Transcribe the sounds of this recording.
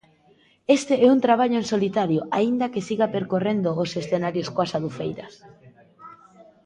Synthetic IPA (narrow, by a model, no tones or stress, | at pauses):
est̪eɛunt̪ɾaβ̞aʎoensolit̪aɾjoʔaind̪akesiɣapeɾkorend̪oːsesθenaɾjoskoasaðufejɾɐs